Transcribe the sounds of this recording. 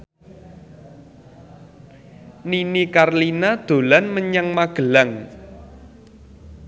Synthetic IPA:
ninikarlinad̪̥o̤lanməɲaŋmaɡ̥ə̤laŋ

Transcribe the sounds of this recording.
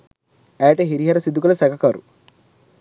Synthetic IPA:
ɛːʈeɦiɾiɦɐɾɐsid̪ːukɐlɐsɛkɐkaːɾṵ

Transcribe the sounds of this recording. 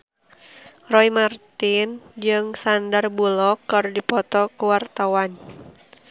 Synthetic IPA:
rɔimart̪ind͡ʒɨŋsandarbulɔkːardipɔt̪ɔkuwart̪awan

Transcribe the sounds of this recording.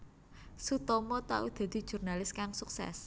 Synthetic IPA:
sut̪ɔmɔt̪a̰ʔud̪̥a̤d̪̥i̤̥ʒ̥ṳrnalɪskaŋsuksɛ̰s

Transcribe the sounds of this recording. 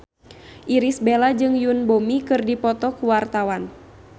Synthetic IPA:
ʔiɾisbelad͡ʒɨŋjunbomikɨrdipɔt̪ɔkuwart̪awan

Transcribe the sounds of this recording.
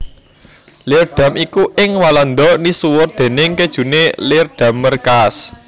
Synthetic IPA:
lɪrɖ̪̥ä̤mikuʔɪŋwaland̪ɔnisuwʊrd̪̥e̤nɪŋked̥ʒ̥ṳnelɪrd̪̥ä̤mːərkas

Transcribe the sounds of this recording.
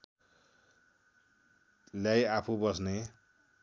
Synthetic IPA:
ljajapʰubʌsne

